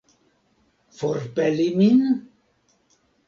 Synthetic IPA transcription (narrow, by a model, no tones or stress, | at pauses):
foɾpɛlimin